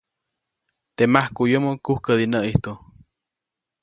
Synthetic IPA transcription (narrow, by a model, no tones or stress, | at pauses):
t̪emahkujomokuhkəd̪inəʔiht̪u